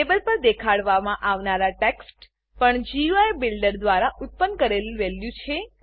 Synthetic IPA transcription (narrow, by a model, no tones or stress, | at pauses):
ebəlpəɾd̪ekʰaɽʋamãʔaʋnaɾaʈeksʈ | pəɳd͡ʒiuajbɪlɖəɾd̪ʋaɾaʔʊt̪̚pənkəɾeliʋɛljũt͡ʃʰe